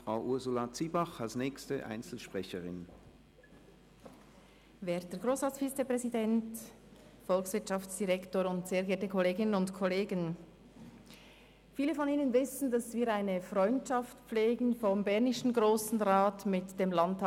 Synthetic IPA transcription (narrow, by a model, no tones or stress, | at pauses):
fʁ̥aʊʔʊɐzʊlat͡siːbaχalsnɛːkstəʔa̰ɪnt͡sl̩ʃpʁ̥ɛçəʁɪ̰n | vɛɐtəɡʁoːsʁɑːt͡ssfiːt͡sepʁ̥ɛzidɛnt | fɔlksv̥ɪɐtt͡ʃʃɑftsd̥iʁɛktoːɾʊntseːɐɡɛːɐtəkʰɔleːɡɪnənʊntkʰɔleːɡən | fiːləfɔniːnənvɪsn̩dɑsv̥iːɾaɪnəfʁɔʏntt͡ʃɑftp͡fleːɡn̩fɔmbɛʁnɪʃn̩ɡʁoːsn̩ʁaːtmɪtd̥eːmlɑnt